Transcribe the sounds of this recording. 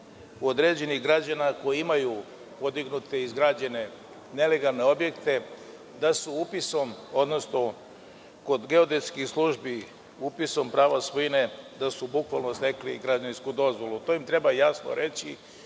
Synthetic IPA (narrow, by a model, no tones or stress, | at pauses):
uod̪ɾeːd͡ʑe̞niɣɡɾad͡ʑanako̞jiimaju | po̞d̪iɡnut̪e̞izɡɾad͡ʑene̞ | ne̞le̞ɡalˠne̞o̞bje̞kt̪e̞ | d̪asuupiso̞mo̞d̪no̞sno̞ | ko̞d̪ɡe̞o̞d̪eskixslˠuʒbi | upiso̞mpɾaːʋasʋojine̞d̪asubukʋalnost̪e̞klḭɡɾad͡ʑaninskud̪o̞zʋo̞lˠut̪o̞imt̪ɾe̞bajasno̰ɾe̞t͡ɕi